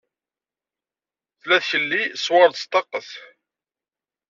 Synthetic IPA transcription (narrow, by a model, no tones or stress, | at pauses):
θlæθçəlːiswɑɾd̪st̪ɑqːəθ